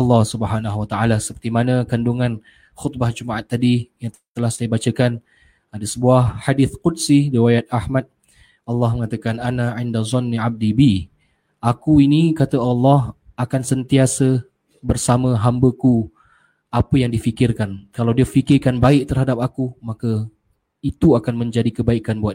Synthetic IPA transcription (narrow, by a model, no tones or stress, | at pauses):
ɑlːɑhsubhanaɦwat̪aalasə̥pərt̪imanəkanduŋãn | xʊt̪̚bahd͡ʒumaʔat̪ːadijaŋ | t̪əlahsajəbat͡ʃəkan | adasəbuahhadɪθqudsiriwajat̪̚ahmat̪̚ | ʔɑlːɑhməŋat̪akananaʕindazˤɔnːiab̚dibi | ʔakuinikat̪əɑlːɑɦakansənt̪iasə | bərsamə̃ɦambəku | apəjaŋdifikɪrkankalawdiəfikɪrkanbaɪʔ̚t̪ərhadap̚akumakə | it̪uakanmə̃ɲd͡ʒadikəbaikanbuat̪